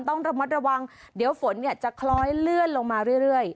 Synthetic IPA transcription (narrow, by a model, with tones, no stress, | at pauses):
nt̪ɔ˥˩ŋɾa˧ma˦˥t̪̚ɾa˧wa˧ŋ | di˨˩˦əwfo˩˦nːi˥˩ət͡ɕa˨˩kʰlɔː˦˥jlɯ˥˩ənlo˧ŋmaː˧ɾɯ˥˩əjɾɯ˥˩əj